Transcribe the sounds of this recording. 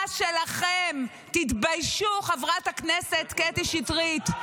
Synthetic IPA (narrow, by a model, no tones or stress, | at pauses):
ʃelaχem | t̪it̪bajʃuχavʁathakneset̪ket̪iʃitʁit̪